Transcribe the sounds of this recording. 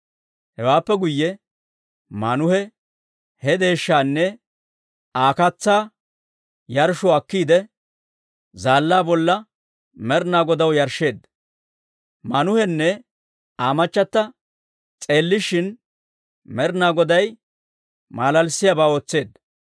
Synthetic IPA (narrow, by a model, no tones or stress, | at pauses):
hɛwaːpːɛɡʊjːɛ | manʊhɛ | hɛd̪e̞ːʃːaːnːɛ | aːkɐt͡sːaː | jɐɾʃɔɐkːiːd̪ɛ | zaːlːaːbɔlːɐ | mɛɾnaːɡɔd̪ɐwjɐɾʃːe̞ːd̪ːɐ | mɐnʊhɛnːɛ | aːmɐt͡ʃːɐt̪ːɐ | t͡sʼe̞ːlːɪʃɪn | mɛɾnaːɡɔd̪ɐj | maːlɐlsɪjabaːo̞ːt͡sːe̞ːd̪ːɐ